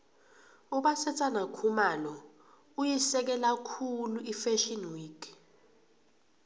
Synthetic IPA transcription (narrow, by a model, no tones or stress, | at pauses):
uɓasɛt͡sʼanakʰumalɔ | ujisɛk̬ɛlakʰuluifɛʃɔnwiːk